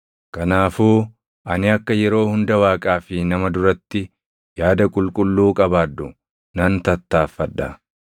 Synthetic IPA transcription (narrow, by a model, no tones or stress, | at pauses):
kɐnaːfuː | ʔɐnɪɐkːɐjɛɾo̞ːhʊnd̪ɐwaːkʼaːfɪnɐmɐd̪ʊɾɐt̪ːɪ | jaːd̪ɐkʼʊlkʼʊlːuːkʼɐbaːd̪ːʊ | nɐnt̪ɐt̪ːaːfːɐᶑɐ̰